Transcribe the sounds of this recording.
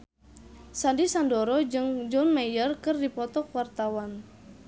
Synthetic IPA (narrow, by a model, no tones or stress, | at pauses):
sandisandoɾɔd͡ʒɨŋd͡ʒɔnmajərkɨrdipɔt̪ɔkwart̪awan